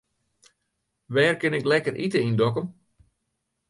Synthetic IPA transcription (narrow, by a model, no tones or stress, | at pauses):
ʋɛːrkɪnɪklɛkərʔitəindɔkəm